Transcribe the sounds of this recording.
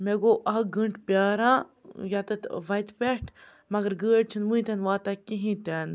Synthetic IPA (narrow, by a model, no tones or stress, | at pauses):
meɡoːʔɐɦɡəɳʈpʲjaːɾãːjaːt̪ɐt̪ʋɐjt̪peʈʰ | mɐɡɐɾɡəːʈ̚t͡ʃʰinʋɨ̃ːĩt̪enʋaːt̪akiɦĩt̪eːn